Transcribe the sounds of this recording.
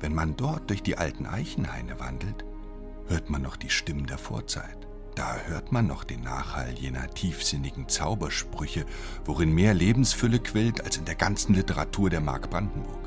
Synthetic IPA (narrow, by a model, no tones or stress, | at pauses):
vɛnmandɔɐt̚d̥ʊɐçd̥iːʔa̰ltn̩ʔa̰ɪçn̩ha̰ɪnəva̰ndl̩t | høːɐtmanːɔχd̥iːʃtɪməndeːɐfo̰ːɐt͡sa̰ɪt | d̥aːhøːɐtmanːɔχd̥eːnːa̰ːχha̰ljeːnɐ̰tʰiːfz̥ɪnɪɡŋ̩t͡saʊbɐʃpʁ̥ʏçə | voʁɪnmeːɐleːbm̩sfʏləkʰv̥ɪltalsɪndeːɐɡant͡sn̩lɪtəʁatʰuːɐɾeːɐma̰ɐkb̥ʁandn̩bʊ̰ɐk